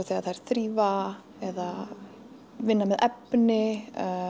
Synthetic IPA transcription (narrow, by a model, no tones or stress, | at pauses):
θiaθajɾ̥θɾiːva | ɛða | vɪnːamɛðʔɛpnɪ